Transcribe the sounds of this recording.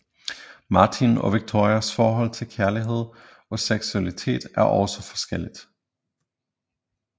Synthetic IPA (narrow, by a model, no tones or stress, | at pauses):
mɑ̈t͡sʰinɒ̽ʋiɡ̥̚t͡sʰo̝ɐiɐsfɒːɦɒ̽l̰t͡sʰe̝lkʰæɐliɦe̝ð̞̰ˠ | ɒ̽seɡ̥suælit͡sʰe̝̰ːd̥æɐʔɒʊsɒfɒ̥̽sɡ̥el̰id̥